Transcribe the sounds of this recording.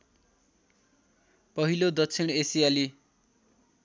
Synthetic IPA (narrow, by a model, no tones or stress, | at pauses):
pʌɦilod̪ʌtt͡sʰiñesijali